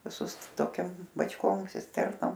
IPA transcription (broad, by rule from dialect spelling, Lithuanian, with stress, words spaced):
ʋʲɪˈsʊs toːˈkʲɛm bɐt͡ʃˈkoːm sʲɪsʲˈtʲɛrnoːm